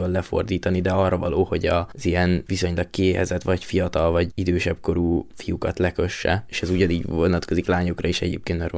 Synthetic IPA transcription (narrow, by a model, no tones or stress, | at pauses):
olɛfo̞̰rd̪iːt̪ɒnid̪ɛɒrːɒvɒloːho̞ɟɒzijɛnviso̞ɲlɒkkieːɦɛzɛt̪ʋɒcfijɒt̪ɒlvɒɟid̪øːʃɛbko̞ɾuːfijukɒt̪lɛkø̞ʃːɛ̰eːʃɛzuɟɒniːɟvonɒt̪ko̞ziklaːɲo̞krɒiʃɛɟḛːp̚keːnt̪mɛɾ